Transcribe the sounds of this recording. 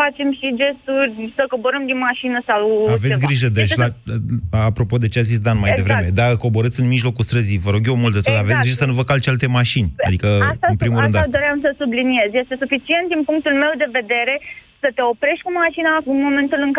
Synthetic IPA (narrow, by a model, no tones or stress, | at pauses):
at͡ʃe̞mʃid͡ʒe̞st̪urʲsəko̞bo̞ɾəmd̪inmaʃinəsawaves̬ʲɡɾiʒəd̪et͡ʃla | apɾo̞po̞d̪e̞t͡ʃeazis̬d̪anmajj̪evɾeme̞d̪ako̞bo̞ɾət̪sɨnmiʒlo̞kust̪ɾəzivəɾo̞ɡje̞wmult̪d̪et̪ot̪aavet̪sɡɡɾiʒəsənuvəkalt͡ʃealt̪e̞maʃin̰ʲd̪ikəst̪aɨnpɾimulɾɨnd̪ad̪o̞ɾeamsəsublinije̞zje̞st̪e̞sufit͡ʃient̪̚d̪inpuŋk̚t̪ulme̞wd̪e̞ve̞d̪e̞ɾe̞sət̪e̞o̞pɾe̞ʃt̪̚ʲkumaʃinaɨnmo̞mẽ̞nt̪ulɨŋk